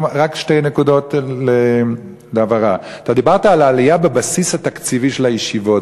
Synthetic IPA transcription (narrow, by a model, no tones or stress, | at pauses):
ʁakʃtejnekudo̞tle | leavaʁa | t̪ad̪ibaʁt̪aːlaːlijabebasishat̪akt͡siviʃelajeʃivo̞t